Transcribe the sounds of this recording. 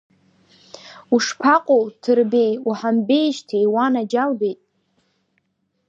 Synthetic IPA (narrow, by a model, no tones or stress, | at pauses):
uʂpʰaqʷʼowtʰɨrbe̞juħambe̞jʃtʰijwanad͡ʒalbejtʼ